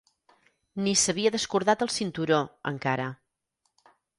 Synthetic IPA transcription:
nisəβiəðəskuɾðat̪əlˠsint̪uɾoə̰ŋkaɾə

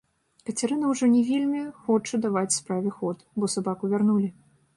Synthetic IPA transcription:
kɐt͡sʲaɾɨnɐwʐɔnʲɛvʲelʲmʲixɔt͡ʂɨd̪avat͡sʲspɾavʲɛxɔt̪bɔsabakuvʲarnulʲi

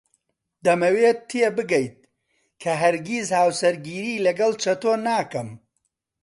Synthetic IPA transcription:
d̪ɐmɐweːt̪ʰːebɨɡɐjt̪̚ | kʰɐɦɐɾɡʲizhaːwsɐɾɡiːɾiːlɐɡɐlˠt͡ʃʰɐt̪oːnaːkɐm

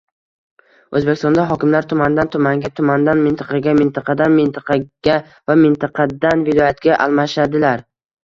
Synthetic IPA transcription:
ɵzbekʲɪst̪ɒnd̪aɦɒkʲɪmlaɾt̪ʰʊmand̪ant̪ʰʊmaŋɡʲat̪ʰʊmand̪anmɪnt̪ɪqʰɑɡʲamɪnt̪ʰɑqʰɑd̪anmɪnt̪ʰɪqʰɑɡ̥ʲa | vamɪnt̪ʰɑqʰɑd̪anvɪlˠɒjat̪ɡʲaʔalˠmaʃad̪ɪlaɾ

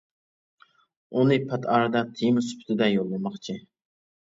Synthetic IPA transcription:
unɨpʰɛt̪ʰɑːɾɨd̪ɑt̪ʰijmɪspʰt̪ʰɪd̪ɛjolˠːɨmɑχt͡ʃʰi

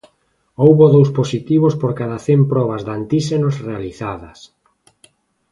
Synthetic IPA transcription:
owβoðowsposit̪iβospoɾkaðaθempɾɔβ̞azðant̪isenosrealiθaðɐs

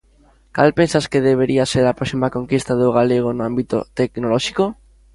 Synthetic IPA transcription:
ka̰lpensaskeðeβeɾiaseɾapɾɔsimakoŋkist̪aðoɣaleɣ̞onoambit̪o̰t̪eknolɔʃiko

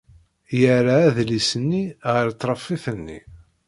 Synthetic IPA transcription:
jəɾaæðlisənːiʁəɾt̪ˤːɾˤɑfːiθənːḭ

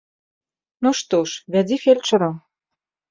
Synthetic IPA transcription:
noʃt̪oʃβʲædʲifelʲt͡ʃɤ̆ɾɤm

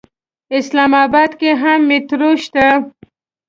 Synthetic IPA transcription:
ɪslɑmɑbɑd̪keɦamːɪt̪ɾoʃt̪a

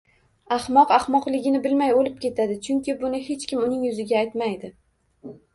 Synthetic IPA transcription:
ahmɒqɑhmɒqlˠɪɡʲɪnɪbɪlmajolɪp̚kʲe̞t̪ʰad̪ɪt͡ʃʰʊŋkʲɪbʊnɪhe̞t͡ʃkʲɪmʊnɪŋjʊzɪɡʲaːjt̪majd̪ɪ

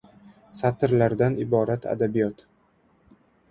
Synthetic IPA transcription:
sat̪ʰɾlaɾd̪anɪbɒɾat̪ʰa̰d̪abijɒt̪

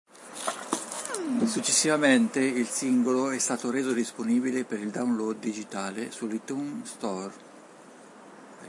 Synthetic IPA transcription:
sut͡ʃːesːivament̪eilsiŋɡoloɛst̪aːt̪oɾeːzod̪isponiːbilepeɾild̪aunlod̪ːid͡ʒit̪aːlesulːit̪unst̪ɔr

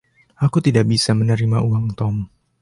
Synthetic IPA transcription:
ʔakut̪idaʔbisamənəɾimaʔuwaŋt̪ɔm

